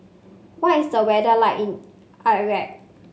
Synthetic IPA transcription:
watisdəwɛdəlaɪkĩn | ʔaɹɛk̚

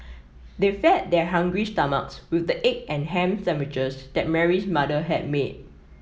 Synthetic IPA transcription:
defɛt̚dɛɦãŋɡɹistama̰kswɪθdəʔek̚ɛ̃nɦɛ̃msɛmɪt͡ʃəsd̥̪ɛt̚mɛɹismadəɦɛd̚med̚

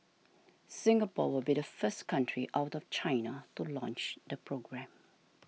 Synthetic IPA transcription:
sɪ̃ŋɡəpɔ̰wɪlbidəfəskʰãntʰɹiʔaʊtɔft͡ʃʰaɪnətulɔ̃nt͡ʃdəpʰɹoɡɹɛ̃m

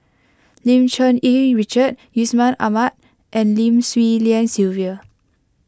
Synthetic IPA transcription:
lĩmt͡ʃɔ̃niɹit͡ʃət̚jusmãna̰mat̚ | ʔɛ̃nlĩmswiliãnsilviə

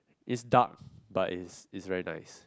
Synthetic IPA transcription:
ʔɪtsdak̚baʔɪsɪtsɹɛɹina̰ɪs

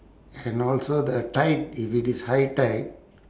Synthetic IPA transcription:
ɛ̃nɔlsod̪əʈaɪʈ̚ifiʈishaɪʈaɪʈ̚

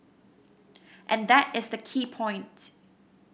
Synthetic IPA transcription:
ʔɛ̃nðæɾɪzðəkʰipʰɔ̃ɪ̃nt

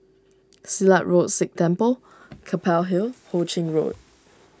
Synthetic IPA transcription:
silaʔɹotsɪk̚tʰɛ̃mpəl | kʰəpʰɛlɦilhot͡ʃɪ̃ŋɹo̰t̚

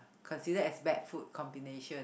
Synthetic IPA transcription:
kʰɔ̃nsidəɛsbɛk̚fut̚kʰɔ̃mbineʃə̃n

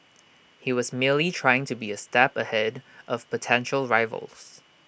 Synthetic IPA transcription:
hiwɔzmiəlitʰɹ̥aɪɪ̃ŋtʰubiəstɛpəhɛdʔɔv̥pʰətʰɛ̃nʃəlˠɹaɪvə̰lˠs

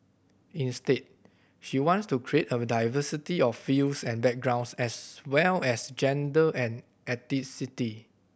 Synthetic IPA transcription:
ĩnstet̚ | ʃiwɔ̃nstukʰɹietədajvəsitiɔffilsɛ̃nbɛk̚ɡɹãw̃nsɛswɛlɛsd͡ʒɛ̃ndəʔɛ̃n | ɛtitsiti

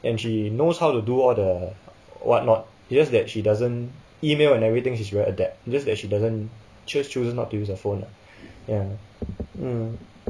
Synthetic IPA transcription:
ʔɛ̃nʃinoshawtuduɔldə | wɔ̰t̚nɔt̚ | d͡ʒasdɛt̚ʃidazə̃n | imelɛ̃nɛvɹit̪ɪ̃ŋʃis̬ɹɛədɛp̚d͡ʒasdɛt̚ʃidazə̃n | t͡ʃəst͡ʃusəsnɔt̚ːujusəfõna | ja

